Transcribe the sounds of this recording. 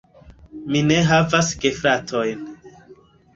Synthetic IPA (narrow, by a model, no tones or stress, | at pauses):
mine̞ɦavasɡe̞fɾatʰo̞jn